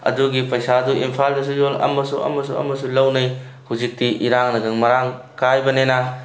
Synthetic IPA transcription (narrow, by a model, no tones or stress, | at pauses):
ɐ̰duɡipɐjsaduimpʰaldɐs̬ujolɐ̰mɐsuɐ̰mɐs̬uɐ̰mɐsulɐwnɐj | huzik̚tiʔiɾaŋnɐɡɐŋmɐɾaŋ | kajbɐnenɐ